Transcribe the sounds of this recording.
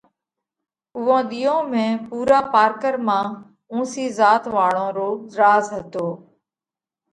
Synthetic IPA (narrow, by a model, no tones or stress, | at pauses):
ʊʋõːɗ̪iːõːmẽːpuːɾaːpaːɾkəɾmãː | ũːsiːzaːt̪ʋaːɭõːɾoːɾaːzɦət̪oː